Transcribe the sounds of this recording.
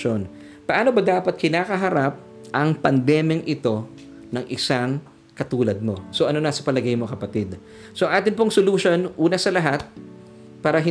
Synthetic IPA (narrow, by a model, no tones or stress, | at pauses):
on | pɐʔaːno̞bɐd̪aːpɐt̪̚kɪnaːkɐɦɐɾap̚ | ʔɐŋpɐnd̪ɛːmjɐŋʔɪt̪o̞ | nɐŋʔɪsaŋ | kɐt̪uːlɐd̪̚mo̞so̞ʔɐno̞nɐsɐ̥pɐlɐɡajmokɐpɐt̪ɪd̪ | so̞ʔɐŋʔaːt̪ɪnpoŋsoluːʃo̞nʔuːnɐsɐlɐɦat̪̚ | paːɾɐɦɪ